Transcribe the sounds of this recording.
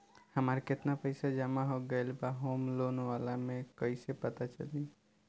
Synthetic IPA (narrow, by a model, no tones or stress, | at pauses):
həmaɾket̪napəɪsad͡ʒəmaɦoɡəjlbaɦomlonʋalamẽkəɪsepət̪at͡ʃə̰li